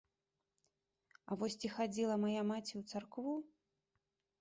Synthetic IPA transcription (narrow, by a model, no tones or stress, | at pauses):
a̰vɔsʲt͡sʲixad͡zʲilˠɐmajamat͡sʲiwt̪sarkvu